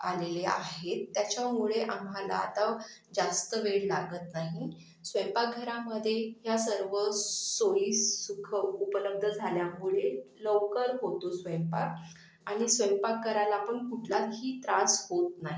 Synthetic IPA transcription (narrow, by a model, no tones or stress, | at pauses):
alelea̰ɦet̪ːjat͡ɕamuɭeʔamɦala̰ːt̪a | d͡zast̪əʋeɽla̰ɡət̪naɦi | sʋə̃jmpak̚ɡʱəɾaməd̪ʱːjeɦjasəɾʋəsoiːssukʰəupələb̚d̪ʱəd͡zʱaljamuɭeləʋkəɾɦot̪osʋəjmpa̰k | aɽ̃isʋəjmpakːəɾalaːpəɳkuʈʰlaɦiːt̪ɾasɦot̪naɦi